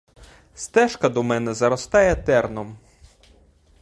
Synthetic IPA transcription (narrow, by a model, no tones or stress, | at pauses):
st̪ɛʃkɐd̪ɔmɛnɛzɐɾɔst̪ɑjɛt̪ɛrnɔm